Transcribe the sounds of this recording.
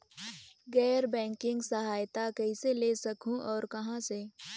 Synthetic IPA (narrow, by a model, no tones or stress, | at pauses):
ɡɛːɾbɛ̃ːŋkɪ̃ŋɡsɐɦaːjt̪akɛiselesɐkʰũʔɔːɾkɐɦãse